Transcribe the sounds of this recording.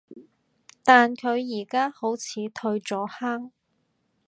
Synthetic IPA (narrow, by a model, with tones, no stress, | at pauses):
t̪aː˨nkʰɵ˨˧ɥjiː˨˩kaː˥ho˨˥wt͡sʰiː˨˧t̪ʰɵ˧ɥt͡sɔː˨˥haː˥ŋ